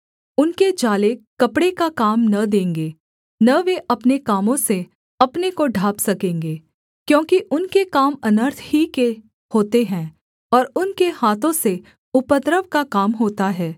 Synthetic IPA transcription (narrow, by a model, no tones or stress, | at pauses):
ʊnked͡ʒaːlekɐpɽekakaːmnɐd̪ẽːŋɡeː | nɐʋeʔɐpnekaːmõse | ɐpnekoɖʱaːpsɐkẽːŋɡeː | kjõːkiʔʊnkekaːmɐnəɾt̪ʰhike | hoːt̪eɦɛ̃ː | ɔːɾʊnkehaːt̪õse | ʊpət̪ɾəʋkakaːmɦoːt̪aɦɛː